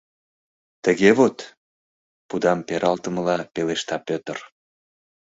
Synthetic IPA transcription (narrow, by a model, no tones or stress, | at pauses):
t̪əɣeβot̪ | pud̪ɑmpeɾʔɑlt̪əməlɑpeleʃt̪ɑpøt̪ər